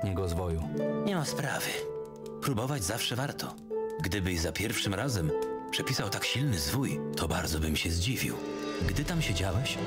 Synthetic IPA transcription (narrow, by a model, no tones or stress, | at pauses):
ɲɛɡɔzvɔjuɲɛmaspɾavɘ | pɾubɔvad͡ʑzafʂɛvaɾt̪ʰɔ | ɡd̪ɘbɘʑzapʲjɛɾfʂɘmɾazɛmpʂɛpʲisawt̪akɕilnɘzvujt̪ʰɔbaɾd̪zɔbɘmɕɛzd͡ʑivʲḭw | ɡd̪ɘt̪amɕed͡ʑawɛɕ